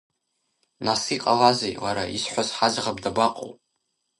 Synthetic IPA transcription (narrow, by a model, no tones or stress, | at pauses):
nasiqʼalazejwaɾaisħʷazħad͡ʒʁabdabaqʼo̰wpʼ